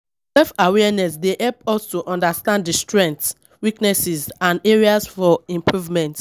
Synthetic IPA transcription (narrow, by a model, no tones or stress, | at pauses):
sɛfawɛnɛsdeʔɛlpɔstuʔɔ̃ndastãnddistɹɛ̃nt | wiknɛsizãndeɹiasfɔĩmpʰɹuvmɛ̃nt